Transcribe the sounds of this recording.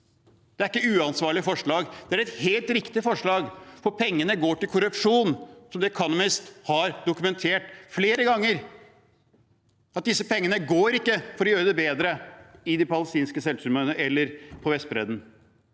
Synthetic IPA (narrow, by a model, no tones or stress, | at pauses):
d̪ɛæɾɪkːəʉːɑnsʋɑːɭɪfɔʂɭɑːɡd̪̥ɛæɾɛt̪heːlt̪ɾɪkt̪ɪfɔʂɭɑːɡfɔpʰɛŋːənəɡoːʈɪlkʰʊɾʉpʂuːnsɔmd̪ɛkʰɑnʊmɪst̪hɑɾd̪ʊkʉmɛnt̪ʰeːʈfleːɾəɡɑŋːəɾ | ɑt̪̚d̪ɪsːəpɛŋːənəɡoːɾɪkːəfɔɾɖɪøːd̪əbeːd̪ɾəɪd̪ɪpɑləst̪iːnskəsɛlsʉmənəʔɛlːəɾpʰɔʋɛst̪̚bɾɛd̪n